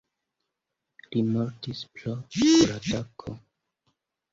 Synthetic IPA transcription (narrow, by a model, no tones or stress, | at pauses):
limoɾtisplokuɾadakʰo̰